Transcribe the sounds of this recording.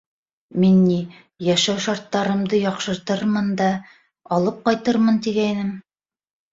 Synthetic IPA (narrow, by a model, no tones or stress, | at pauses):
minːi | jæʃæwʃɑɾt̪ːɑɾɤ̆md̪ɤjɑqʃɤ̆ɾt̪ɤɾmɤnd̪ɑ | ɑlˠɤp̚qɑjt̪ɤɾmɤnt̪iɡæjnɘm